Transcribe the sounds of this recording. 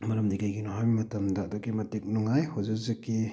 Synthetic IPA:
mɐɾɐmdiɡajɡinɔɦajbimɐtɐmdɐːdoɡimɐtik̚nuŋajhozɐziki

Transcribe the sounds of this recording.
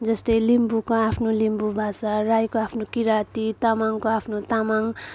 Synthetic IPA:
d͡zʌst̪ʌjlimbukoapʰnolimbubʱasarajkoapʰnokiɾat̪it̪amaŋkoapʰnot̪amaŋ

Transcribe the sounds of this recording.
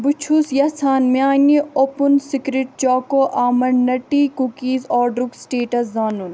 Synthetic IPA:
but͡ʃʰusjɐsʰaːnmiaːniopunsikɾiʈ̚t͡ʃɔːkoʔaːmɐnnɐʈikukiːzɔːɖɾuksʈeːʈɐszaːnun

